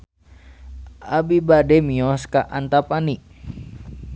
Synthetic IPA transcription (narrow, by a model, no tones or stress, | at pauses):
ʔabibadɛmiɔskaʔant̪apaniʔ